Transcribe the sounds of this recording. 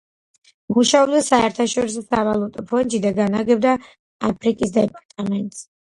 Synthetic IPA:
muʃaɔbd̪asaɛɾt̪ʰaʃɔɾis̬ɔsavalˠut̪ʼɔpʰɔnd̪d͡ʒid̪aɡanaɡɛbd̪a | apʰɾikʼisd̪ɛpʼaɾt̪ʼamɛnt̪ʼs

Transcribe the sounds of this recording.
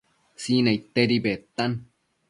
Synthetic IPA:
sinait̪ːeɾibet̪ːan

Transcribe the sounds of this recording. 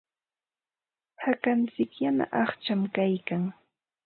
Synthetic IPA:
hakant͡sɪkjana̰ʔɑχt͡ʃamkajkaŋ

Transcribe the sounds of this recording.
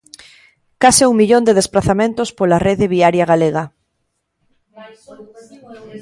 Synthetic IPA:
kasɪuŋmiʎond̪eð̞esplaθamẽnt̪ospolareðɪβiaɾjaɣaleɣa

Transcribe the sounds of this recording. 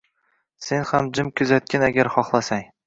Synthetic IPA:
se̞nhamd͡ʒɪmkʰʲɵzat̪̚kʲanaɡʲaɾχɒχlˠasaŋ

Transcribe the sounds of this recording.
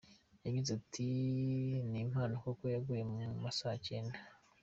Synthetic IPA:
jaɡizatʰi | nim̥haːnokokojaɡuje̞mumasaceːnda

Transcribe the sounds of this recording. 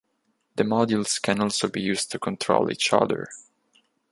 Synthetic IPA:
ðəmɑdjulˠskʰɨ̃nɔlˠsoʊbijʉːstʰukʰɔ̃ntʰɹ̥o̰ʊlˠḭːt͡ʃʌ̰ðə̰˞

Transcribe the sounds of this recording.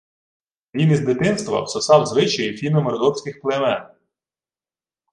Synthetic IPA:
ʋʲinizd̪ɪt̪ɪnst̪ʋɐ̰wsɔsɑwzʋɪt͡ʃɐjifʲilʲmɪmɔɾɔd̪ɔwsʲkʲɪxplˠemɛn

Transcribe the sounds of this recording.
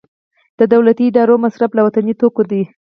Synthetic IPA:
d̪̥əd̪awlat̪iːɖɑɾomasɾablawat̪anit̪okod̪i

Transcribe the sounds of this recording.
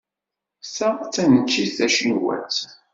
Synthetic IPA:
sæt͡sːænət͡ʃːiθæʃənwæ̰t͡s

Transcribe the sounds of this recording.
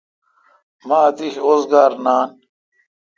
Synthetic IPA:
maːt̪iɕoːzɡaːɾnaːn

